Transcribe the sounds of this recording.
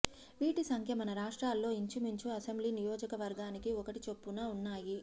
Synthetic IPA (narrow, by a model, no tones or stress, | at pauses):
ʋiːʈisɐŋkʰjɐmɐnɐɾaːʂʈɾaːlːo̞ːiɲt͡ʃimiɲt͡ʃuɐsembliːnijɔːd͡ʒɐkɐʋɐɾɡaːnikiɔkɐʈit͡ʃe̞pːunaːunːaːji